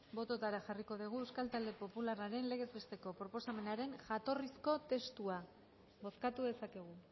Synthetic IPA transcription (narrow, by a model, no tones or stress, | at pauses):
bo̞t̪o̞t̪aɾaxariko̞ð̞iɣ̞ue̞wskalt̪ald̪e̞po̞pularaɾe̞nle̞ɣe̞zβe̞st̪e̞ko̞pɾo̞po̞same̞naɾe̞nʝat̪o̞risko̞t̪e̞st̪ua | bo̞skat̪uðe̞sake̞ɣ̞u